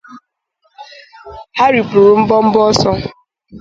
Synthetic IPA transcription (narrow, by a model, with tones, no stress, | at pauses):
ha˦ɾi˨pɾu˨ɾu˨m̩˦bɔ˦m̩˦bɔ˦sɔ˦